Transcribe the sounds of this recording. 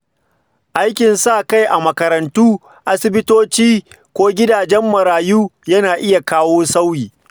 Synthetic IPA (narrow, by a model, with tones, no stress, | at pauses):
ʔa˦jkʲɪ˨nsa˦˨ka˦˨jʔa˨mɐ˨kɐ˨ɾɐ˨ntuː˦ | ʔa˦sɪ˦bɪ˦toː˦t͡ʃiː˦ | kʷoː˦ɡʲɪ˦daː˨d͡ʒɛ˦mːɐ˨ɾaː˨juː˦jɐ˦naː˨ʔɪ˦ja˨kaː˦woː˦sa˦wjiː˨